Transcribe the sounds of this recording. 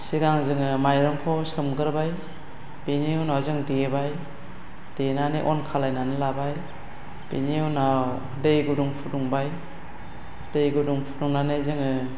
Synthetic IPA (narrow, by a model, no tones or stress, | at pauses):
siɡaŋzɯŋɯmajɾɔŋkʰɔsɯmɡɯɾbaj | beniwnawzɯŋdibaj | d̥enaneʔɔnkʰalajnanɯlabaj | b̥eniwnaw | dejɡuduŋpʰuduŋbaj | d̥ejɡuduŋpʰu̥duŋnanɯzɯŋɯ